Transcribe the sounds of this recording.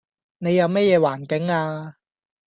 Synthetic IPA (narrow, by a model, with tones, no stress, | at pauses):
ne˨˧jɐ˨˧wmɛ˥jɛː˨˧waː˨˩nkɪ˨˥ŋaː˧